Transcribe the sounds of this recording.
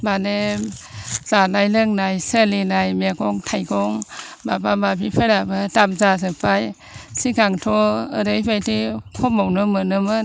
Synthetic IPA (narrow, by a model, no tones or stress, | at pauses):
bane | z̥anajlɯŋnajsəlinajmeɡɔŋtʰajɡʰɔŋbabamabipʰɯɾabɯtamzazɯpʰaj | sikaŋtʰɔɯɾɯjbajtikʰɔmawnɯmɯnɯmɯn